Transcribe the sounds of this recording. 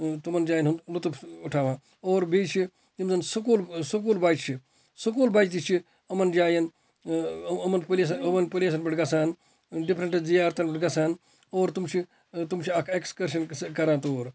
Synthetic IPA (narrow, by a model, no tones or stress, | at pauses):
t̪umɐnd͡ʒaːjɐnɦunlut̪upuʈʰaːʋãː | oːɾbʱiːt͡ʃʰi | imzɐnsɐkuːlsɐk̬uːlbaːt͡ʃt͡ʃʰi | sɐk̬uːlbaːt͡ʃt̪it͡ʃʰi | ɐmɐnd͡ʒaːjɐn | ɐmɐnpɐles̬ɐɐʋɐnpɐlʲes̬ɐnbɐʈɡɐsaːn | ɖipʰɾɐɳʈzijːɾt̪ɐnbɐʈɡɐsaːn | oːɾt̪umt͡ʃʰi | t̪umt͡ʃʰiɐkʰekskɐɾʃ̬ɐnkɐɾãːt̪oːɾ